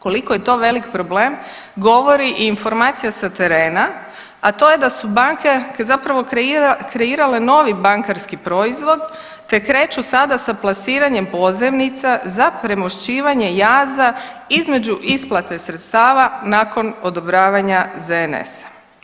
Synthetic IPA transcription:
ko̞liko̞je̞t̪o̞ːʋe̞likpɾo̞ble̞ːm | ɡo̞ʋo̞ɾiʔiːnfo̞ɾmaːt̪sijasat̪e̞ɾeːna | at̪o̞je̞d̪asubaŋkekzapɾaʋo̞kɾe̞iːɾale̞no̞ːʋibaŋkaɾskipɾo̞izʋo̞d̪ | t̪e̞kɾe̞ːt͡ʃusad̪asaplˠasiːɾaɲe̞mpo̞zemnit̪sazapɾe̞mo̞ʃt͡ɕiːʋaɲe̞jaːzaizme̞d͡ʑuʔisplˠat̪e̞sɾet̪st̪aːʋanaːko̞no̞d̪o̞bɾaːʋaɲazeenḛsḁ

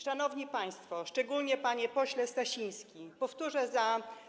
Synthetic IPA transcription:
ʂanɔvɲipaj̃st̪fɔʂt͡ʂɛɡulɲɛpaɲɛpɔɕlɛst̪aɕij̃skʲipɔft̪uʐɛza

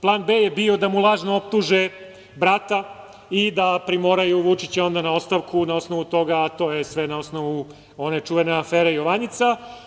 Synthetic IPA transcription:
plˠaːnbejebio̞d̪amulˠaːʒnoop̚t̪uʒe | bɾat̪a | id̪apɾimo̞ɾajuʋut͡ʃit͡ɕeo̞nd̪anao̞st̪aʋkunao̞sno̞ʋut̪o̞ɡaːt̪o̞ːjesʋenao̞snoʋu | o̞net͡ʂuʋeneafeːɾeijoʋaɲit̪sa

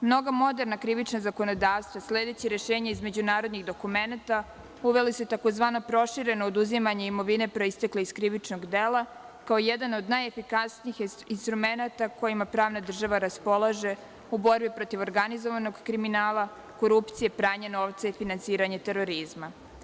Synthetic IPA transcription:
mno̞ɡamo̞d̪e̞ɾnakɾiʋit͡ʃnazako̞no̞d̪aːʋst̪ʋasleːd̪et͡ɕiɾe̞ʃeːɲaizmed͡ʑunaːɾo̞d̪niɣd̪o̞kume̞nat̪a | uʋe̞lisut̪ako̞zʋaːno̞pɾo̞ʃiɾe̞noːd̪uzimaɲeimo̞ʋine̞pɾo̞ist̪e̞kleiskɾiʋit͡ʃno̞ɡd̪elˠa | kaojɛd̪ano̞d̪najefikasniix | inst̪ɾume̞nat̪ako̞jimapɾaːʋnad̪r̩ʒaʋaɾaspo̞lˠaʒe̞ | ubo̞ɾbipɾo̞t̪iʋo̞ɾɡanizo̞ʋano̞ɡkɾiminaːlˠa | ko̞ɾupt̪sije̞pɾaːɲeno̞ʋt̪saifinansiːɾaɲet̪e̞ɾo̞ɾizma

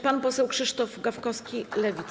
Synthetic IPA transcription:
panpɔsɛwkʂɘʂt̪ɔvɡafkɔskʲilɛvʲit̪

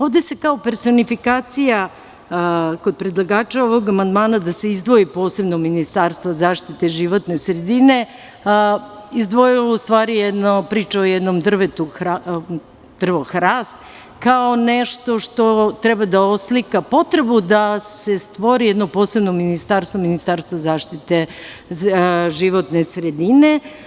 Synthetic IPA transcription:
oʋd̪esekaope̞ɾso̞nifikaːt̪sija | ko̞d̪̚pɾed̪lˠaɡaːt͡ʃao̞ʋo̞ɡamand̪maːnad̪ase̞izd̪ʋo̞ipo̞ːse̞bnominist̪aːɾst̪vʋozaːʃt̪it̪eʒiʋo̞t̪ne̞sɾed̪ine̞ | izd̪ʋo̞jiloust̪ʋaːɾijɛd̪nopɾiːt͡ʃaojɛd̪nomd̪r̩ʋet̪uxa | d̪r̩ʋoxɾaːst̪ | kao̞neʃt̪o̞ʃt̪o̞t̪ɾɛbad̪aoslikapo̞t̪ɾebud̪ase̞st̪ʋo̞ɾijɛd̪nopo̞ːsebnominist̪aːɾst̪ʋominist̪aːɾst̪ʋozaːʃt̪it̪e | ʒiʋot̪nesɾed̪ine̞

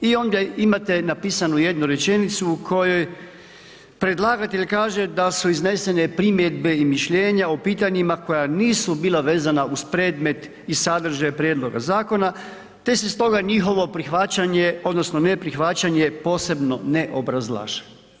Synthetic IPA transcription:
io̞nd̪aimat̪e̞napiːsanuje̞d̪nuɾe̞t͡ʃe̞nit̪suːkʰo̞jo̞j | pɾe̞d̪lˠaɡat̪e̞ʎkaːʒe̞d̪asuizne̞se̞ne̞pɾimje̞d̪be̞imiʃʎe̞ːɲaopiːt̪aɲimako̞janiːsubiːlaʋe̞ːzanauspɾeːd̪me̞t̪ | isad̪r̩ʒajpɾjeːd̪lˠo̞ɡa̰zaːko̞na | t̪e̞sest̪o̞ɡaɲixo̞ʋo̞pɾixʋat͡ɕaɲeo̞d̪no̞snone̞pɾixʋat͡ɕaɲe̞po̞ːse̞bno̞neʔo̞bɾazlˠa̰ːʃḁ

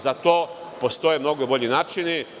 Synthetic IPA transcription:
zat̪oːpo̞st̪o̞jemno̞ɡobo̞ʎinaːt͡ʃini

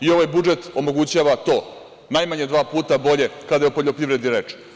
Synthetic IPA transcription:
io̞ʋajbud͡ʒe̞t̪o̞mo̞ɡut͡ɕaːʋat̪o̞ː | najmaɲed̪ʋaːpuːt̪abo̞ʎe̞kad̪ajeupo̞ʎo̞pɾiʋɾe̞d̪iɾet͡ʂɛ̥

